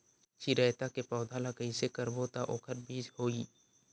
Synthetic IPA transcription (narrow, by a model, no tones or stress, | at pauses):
t͡ʃiɾɛːt̪akepɔːd̪ʱalaɡəisekəɾbot̪aʔoːkʰəɾbiːd͡ʒhoːiː